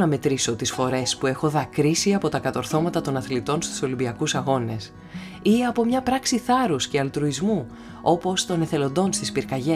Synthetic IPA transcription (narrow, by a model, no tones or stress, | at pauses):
nɐme̞t̪ɾiso̞t̪isfo̞ɾe̞spue̞xo̞ðɐkɾisiɐpo̞t̪ɐkɐt̪o̞ɾθo̞mɐt̪ɐt̪o̞nɐθlit̪o̞nst̪u̥so̞limbiɐkusɐɣo̞ne̞s | iɐpo̞mɲɐpɾɐksiθɐɾusce̞ɐlt̪ɾuizmu | o̞po̞st̪o̞ne̞θe̞lo̞nd̪o̞nst̪ispiɾkɐʝe